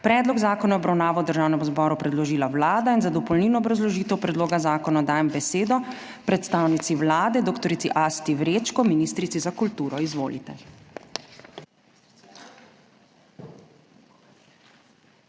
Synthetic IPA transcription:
pɾɛːd̪lɔɡzaːkɔnaɔbɾawnaːʋawd̪əɾʒaːwnɛmzbɔːɾupɾɛd̪lɔʒiːlawlaːd̪ainzad̪ɔpɔlniːnɔːbɾazlɔʒiːt̪ɛwpɾɛd̪loːɡazaːkɔnad̪aːjɛmbɛseːd̪ɔ | pɾɛt̪st̪aːwnit̪siwlaːd̪ɛd̪oːkt̪ɔɾit̪siʔast̪iʋɾeːt͡ʃkɔminist̪ɾit̪sizakult̪uːɾɔizʋo̰ːlḭt̪ɛ

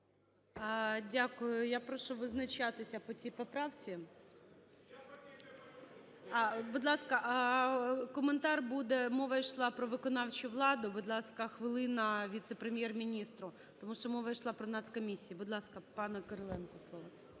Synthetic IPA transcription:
dʲakʊjʊjapɾɔʃʊʋɪznɐt͡ʃat̪ɪsʲɐpɔt͡sʲipɔpɾɑwt͡sʲi | bud̪lˠɑskɐʔ | kɔment̪ɑrbud̪ɛmɔʋɐiʃlˠɑpɾɔʋɪkɔnɑwt͡ʃʊʋlˠɑd̪ʊbud̪lˠɑskɐxʋɪlˠɪnɐʋʲit̪sepɾemʲjɛrmʲinʲist̪ɾʊ | t̪ɔmuʃt͡ʃɔmɔʋɐiʃlˠɑpɾɔnɑt̪skɔmʲisʲːijibʊd̪lˠɑskɐpɑnɐkɐɾɔlˠɛnkɔslˠɔʋɐ

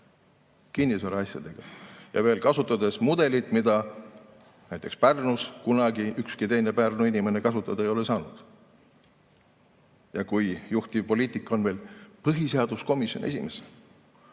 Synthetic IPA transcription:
kinːisɑɾɑɑsʲjɑ̰d̪̥e̞ɡ̥ɑjɑ̰ve̞ːlkɑsut̪ːˑɑd̪e̞smud̪̥e̞lit̪ˑmid̪̥ɑ | næjt̪ːˑe̞kspærnuskunɑɡ̥iykskit̪e̞jne̞pærnuinʲime̞ne̞kɑsut̪ːˑɑd̪ɑejo̞lesɑːnud̪̥ | jɑkujjuht̪ipo̞liːt̪ˑikːˑo̞nve̞ːlpɤɦiseɑd̪̥usko̞misjo̞̰nʔe̞sʲime̞s

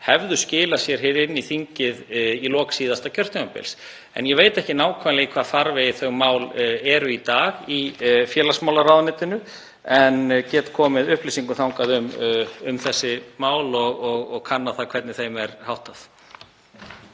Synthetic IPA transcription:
hɛvðʏscɪːlasjɛɾ̥ɦɪɾɪnːiθiɲcɪðilɔːksiːðast̪acʰœr̥t̪ʏmapɪ̰ls | ɛ̰njɛveːjt̪ɛhcɪnaːwkʰvanlɪɣkʰvaːðfaɾvɛjɪθœɣmaːwlɛɾʏit̪aːɣifjɛːlasmaːwlaɾawðnɪːt̪ɪnʏ | ɛncɛːt̪kʰɔːmɪðʏhpliːsiŋkʏθawŋkaðʏmʏmθɛsːɪmaːwlɔɣɔɣɔɣkʰanːaθakʰvɛɾt̪nɪθejmɛɾhawht̪aθ

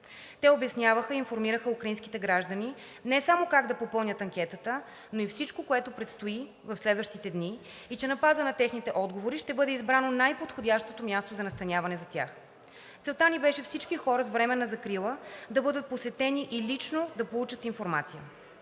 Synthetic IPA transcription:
t̪ɛobɛsnʲjavəxəiinfoɾmiɾəxəukɾɐinskit̪ɛɡɾaʒd̪əni | nɛsamokaɡd̪ɐpopɤlˠnʲət̪ɐŋkʲɛt̪ət̪ə | noifsit͡ʃkokoɛt̪opɾɛt̪st̪oi | vɐfslɛd̪vəʃt̪it̪ɛd̪ni | it͡ʃɛnɐpazənɐt̪ɛxnit̪ɛʔɔd̪ɡovoɾiʃt̪ɛbɤd̪ɛizbɾanonajpot̪xodʲjaʃt̪ot̪omʲjast̪ozɐnɐst̪ɐnʲjavɐnɛzɐt̪ʲja̰x | tsɛlˠt̪anʲibɛʃɛfsit͡ʃkixɔɾəzvɾɛmɛnːɐzɐkɾilˠəd̪ɐbɤd̪ət̪̚posvɛt̪ɛniʔilit͡ʃnod̪ɐpolˠut͡ʃət̪infoɾmat̪sijə

